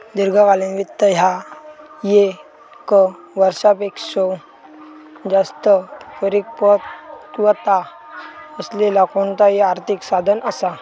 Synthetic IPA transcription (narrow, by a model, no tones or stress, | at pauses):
d̪iɾɡʱakalinʋit̪ːəɦja | je | kə | ʋəɾsapekso | d͡zast̪əfʰəɾikpəʋət̪a | əslelakont̪ajeaɾt̪ʰiksad̪ʱənəsa